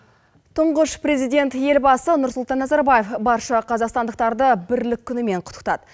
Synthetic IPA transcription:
t̪ʰʊɴʁəʃpre̞zijd̪ʲe̞nt̪je̞lbɑsənʊɾsʊlˠt̪ɑnːæzɑɾbaje̞fbɑɾʃɑqʰɑzɑqst̪ɑnd̪əq̚t̪ɑɾd̪əbɪɾlɪkʲʰːʏnɪme̞ɴqʰʊ̥t̪ə̥qt̪ɑ̰d̪ə

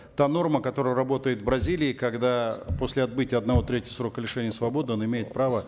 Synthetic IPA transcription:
t̪ano̞rməkɐt̪o̞ɾəjərɐbo̞t̪əjɪt̪vbɾɐzʲilʲɪːkɐɡd̪apo̞sʲlʲɪɐt̪̚bɨtʲɪjəɐd̪nɐvo̞t̪ɾʲetʲɪəsɾo̞kəlʲɪʂɛnʲɪjəsvɐbo̞d̪ɨonɪmʲejɪt̪̚pɾavə

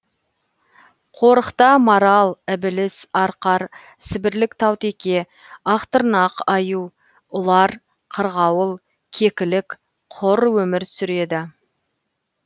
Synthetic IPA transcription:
qʰo̞ɾəqt̪ɑmɑɾɑlˠɪbɪlɪsɑɾqɑɾ | sɪbɪɾlɪkt̪ʰɑwt̪ekʲe̞ | ɑqt̪əɾnɑqɑju | ʊlˠɑɾ | qʰəɾʁɑwəlˠ | kʲʰe̞kʲɪlɪk | qʰʊɾwɵmɪɾsʏɾe̞d̪ɪ

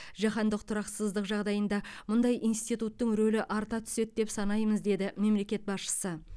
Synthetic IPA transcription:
ʒɑχɑnd̪əq̚t̪ʰʊɾɑqsəzd̪əqʒɑʁd̪ɑjənd̪ɑmʊnd̪ɑjʔijnst̪it̪ut̪ːəŋɾɵlɪʔɑɾt̪ɑt̪ʰʏ̥se̞t̪̚d̪e̞psɑnɑjməzd̪e̞d̪ɪme̞mle̞kʲe̞t̪̚bɑsʃə̥sə

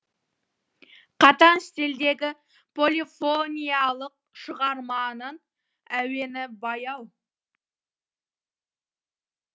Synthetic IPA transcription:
qʰɑt̪ɑnst̪eld̪e̞ɡʲɪ | pʰo̞lifonʲijɑlˠəq̚ʃəʁɑɾmɑnən | æwe̞nɪbɑjɑw

